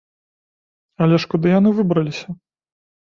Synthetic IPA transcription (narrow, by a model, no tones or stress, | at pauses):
ɐlʲɛʂkud̪ɨjanɨvɨbɾɐlʲisʲɐ